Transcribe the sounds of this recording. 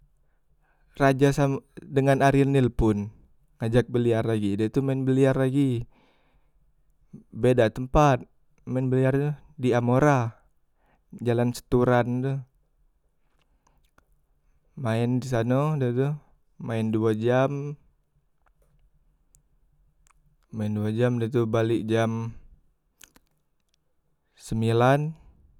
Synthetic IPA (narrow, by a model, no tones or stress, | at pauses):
rad͡ʒasamdəŋanaɾinɪlpʊn | ŋad͡ʒak̚bəliarlaɡidait̪umaɪnbəliarlaɡi | bedat̪əmpat̪̚ | maɪnbəliart̪udiamoɾa | d͡ʒalansə̥t̪uɾand̪u | maɪndis̬anodat̪uː | aɪnduad͡ʒam | maɪnduad͡ʒamdat̪ubalɪʔd͡ʒam | səmilan